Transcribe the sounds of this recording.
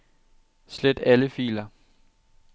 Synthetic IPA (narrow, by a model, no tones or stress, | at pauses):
sled̥æləfḭːlɐ